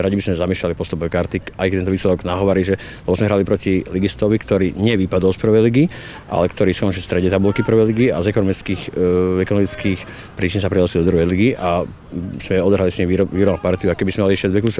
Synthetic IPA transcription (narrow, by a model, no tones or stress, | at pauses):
ɾaɟibizmɛzamiɛʃʎalipɔst̪upɔʋɛkaɾt̪ikajkt̪ɛnt̪ɔʋiːslɛd̪ɔɡnaɦɔʋaɾiʒɛ | lɛbɔzmɛɦɾalipɾɔciliɡist̪ɔʋikt̪ɔɾiːɲɪɛʋipad̪ɔlspr̩ʋɛjliɡi | ʔa̰lɛkt̪ɔɾiːskɔnt͡ʃilst̪ɾɛɟɲɛt̪abulkipr̩ʋɛjliɡiazɛkɔnɔmit͡skixɛkɔnɔmit͡skiːx | pɾiːt͡ʃinsapɾilasild̪ɔd̪ɾuɦɛjliɡiʔa | z̥mɛɔd̪ɔɦɾalisɲimʋiɔʋiːɾɔbnpaɾt̪iuakɛbizmɛmaliɛʃɪaɟd̪ʋɛkluːt͡ʃɔ